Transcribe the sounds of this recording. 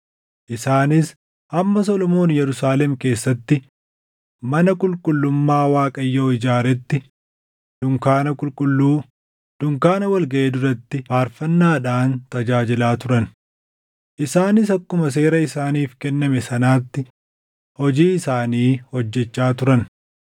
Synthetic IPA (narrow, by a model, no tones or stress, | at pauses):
ʔɪsaːnɪs | hɐmːɐs̬ɔlɔmo̞ːnjɛɾʊsaːlɛmke̞ːsːɐt̪ːɪ | mɐnɐkʼʊlkʼʊlːʊmːaːwaːkʼɐjːo̞ːɪd͡ʒaːɾɛt̪ːɪ | d̪̥ʊŋkaːnɐkʼʊlkʼʊlːuː | d̪̥ʊŋkaːnɐwɐlɡɐʔe̞ːd̪ʊɾɐt̪ːɪfaːɾfɐnːaːᶑaːnt̪ɐd͡ʒaːd͡ʒɪlaːt̪ʊɾɐn | ʔɪsaːnɪsɐkːʊmɐs̬e̞ːɾɐɪsaːniːfkɛnːɐmɛsɐnaːt̪ːɪ | hɔd͡ʒiːɪsaːniːhɔd͡ʒːɛt͡ʃːaːt̪ʊɾɐn